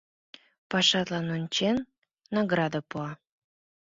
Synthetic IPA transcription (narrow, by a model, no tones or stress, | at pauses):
pɑʃɑt̪lɑnonʲt͡ɕenː | ɑɡɾɑd̪apuɑ